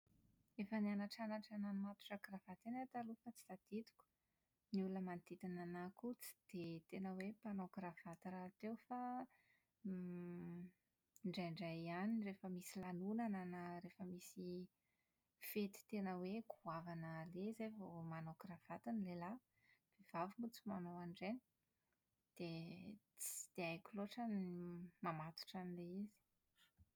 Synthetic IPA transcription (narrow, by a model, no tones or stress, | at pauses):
efənianaʈ͡ʂanaʈ͡ʂananimat̪u̥ʈ͡ʂakravat̪enat̪alufat͡si̥d̪ad̪̥it̪u̥kʲu̥ | nulunəmant̪it̪inanakut͡si̥d̪̥et̪enəwepanokɾafat̪iɾat̪ewfa | ɳɖ͡ʐajɳɖ͡ʐajanirefəmisilanunananəɾefəmisi | fet̪i̥t̪enəweɡuavanəlezevomanokrav̥at̪inilela | v̥ev̥avimut͡simanowaɳɖ͡ʐeni̥ | d̪̥e | t͡si̥d̪̥eajkʲuloʈ͡ʂanimamat̪u̥ʈ͡ʂanileizi̥